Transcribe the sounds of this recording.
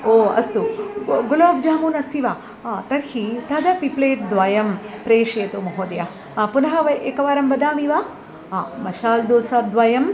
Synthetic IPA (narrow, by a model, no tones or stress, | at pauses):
oːɐ̰st̪uɡuloːb̚d͡ʒaːmuːnɐst̪ʰiʋaː | t̪ɐɾhit̪ʰɐd̪ɐpipleːʈ̚d̪ʋaːjɐmpɾeːʂeːt̪umɐɦoːd̪ɐja | punɐɦɐʋɐʔeːkɐʋaːɾɐmʋɐd̪aːmiʋaː | mɐʃaːld̪oːsaːd̪ʋaːjɐm